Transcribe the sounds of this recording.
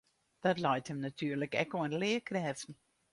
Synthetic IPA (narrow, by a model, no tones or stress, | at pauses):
d̥ɑtlɑjthəmnatʰyːrləkɛ̰koənlɪːkrɛːvn̩